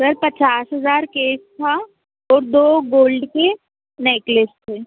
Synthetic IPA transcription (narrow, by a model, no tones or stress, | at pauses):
sɐɾpɐt͡ʃaːsɦɐzaːɾkeːst̪ʰa | ɔːɾd̪oːɡoːlɖke | neːklɪst̪ʰeː